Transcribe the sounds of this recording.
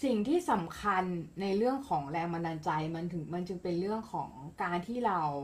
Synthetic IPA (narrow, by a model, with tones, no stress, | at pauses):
si˨˩ŋt̪ʰiː˥˩sa˩˦mkʰa˧nːa˧jɾɯ˥˩əŋkʰɔː˩˦ŋɾɛː˧ŋma˧naː˧nt͡ɕa˧jma˧nt̪ʰɯ˩˦ŋma˧nt͡ɕɯ˧ŋpe˧nɾɯ˥˩əŋkʰɔː˩˦ŋkaː˧nt̪ʰiː˥˩ɾa˧w